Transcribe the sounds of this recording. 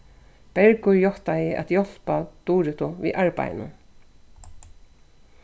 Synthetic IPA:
pɛɹkʊjɔht̪ajɪʔa̰t̪jɔl̥pat̪uːɾɪt̪ʊvḭʔaɹpa̰jɪ̰nʊ̰n

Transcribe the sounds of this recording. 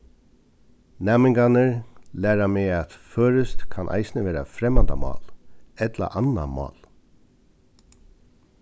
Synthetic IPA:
nɛːmɪŋɡanɪɹlæːɾamɛːat̪føːɾɪst̪kʰanʔa̰jsnɪʋeːɾafɾɛmːand̪amɑ̰ːlɛt̪la̰ʔana̰mɑ̰ːl

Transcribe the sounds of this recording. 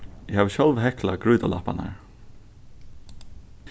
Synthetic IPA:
ɪhaːvɕɔlʋɦɛklaɡɹuːt̪ala̰pa̰na̰ɹ

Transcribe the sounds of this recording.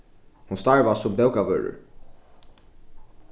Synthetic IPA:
hunst̪aɹvasʊmbɛwkavœ̰ːɹə̰ɹ

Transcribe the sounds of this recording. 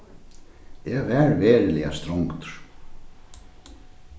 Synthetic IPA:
jɛvɛɾvɛːɾɪlɛa̰st̪ɾowŋkt̪ʏɾ̥

